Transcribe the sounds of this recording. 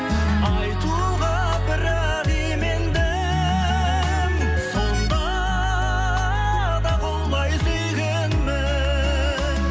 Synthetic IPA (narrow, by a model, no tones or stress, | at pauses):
ɑjt̪u | ʁɑ | bɪɾ | æ | d̪ijmend̪e | sond̪ɑ | d̪ɑbolˠmɑjsʏjɡʲe | nmɪ